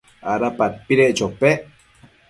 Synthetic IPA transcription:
aɾapapiɾeʔt͡ʃope

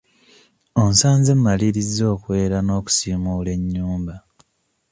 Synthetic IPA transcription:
onsaːnze̞mːaliɾizo̞ːkwe̞ːɾano̞ːku̥siːmule̞ɲːuːmba

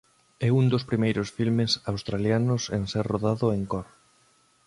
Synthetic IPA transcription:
ɛund̪ospɾimejɾosfilmesawst̪ɾaljanʊseŋsɛɾroðaðʊeŋkɔɾ

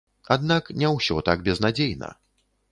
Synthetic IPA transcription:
ad̪naknʲɛwsʲɔt̪aɡ̚bʲɛznad͡zʲejnɐ̰

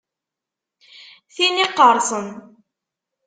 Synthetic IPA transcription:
θiniqːəɾˤsˤən

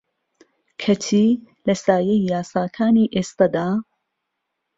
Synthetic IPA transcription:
kʰɐt̪ʰiː | lɐsaːjejjaːsaːkʰaːniːʔest̪ad̪aː

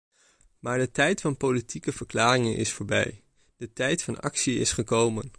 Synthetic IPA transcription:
maːɹdətɛjtfɑnpowlitʰikəv̥əɹklaːrɪŋənʔɪ̰sfoːɹbɛ̰j | d̥ətɛjtfɑnɑ̰ksiɪsχəkowmən

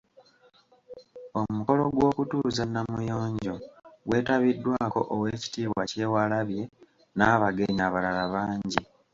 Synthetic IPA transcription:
omuko̞lo̞ɡwo̞ːkutuzanːamujo̞ːɲɟo̞ɡwe̞ːtaβidːwaːko̞̰ʔowe̞ːci̥tiːβwace̞ːwalaβje̞ | naːβaɡe̞ɲaβalalaβaːɲɟi

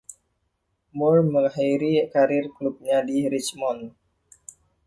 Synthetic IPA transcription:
mʊlməŋahiɾikaɾɪrklup̚ɲadiɾit͡ʃmɔn

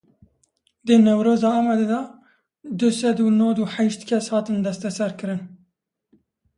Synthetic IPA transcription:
d̪ənɛwɾoːzɑːɑːmɑd̪ed̪ɑ | d̪ɨsɛd̪uːnod̪uːħɛʃt̪kʰɛshɑːt̪ɨnd̪ɛst̪ɛsɛɾkɨɾɨn

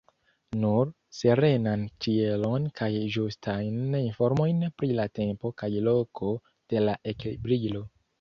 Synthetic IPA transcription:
nuɾ | se̞ɾe̞nantielo̞nkʰajʒustʰajninfo̞ɾmo̞jnpɾilate̞mpo̞kajlo̞kʰo̞ | d̥e̞laʔe̞kbɾilo̞

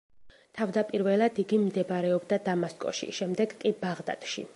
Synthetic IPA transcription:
t̪ʰavd̪apʼiɾvɛlˠad̪iɡimd̪ɛbɾɛɔbd̪ad̪amaskʼɔ̰ʃḭʃɛmd̪ɛɡkʼibaʁd̪a̰t̪ʼʃḭ

